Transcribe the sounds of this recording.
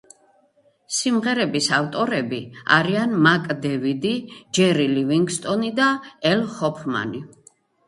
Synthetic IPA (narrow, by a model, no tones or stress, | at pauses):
simʁɛɾɛbisaft̪ʼɔɾɛbia̰ɾianmakʼd̪ɛvid̪id͡ʒɛɾiliviŋɡst̪ʼɔnid̪aɛlhɔpʰma̰ni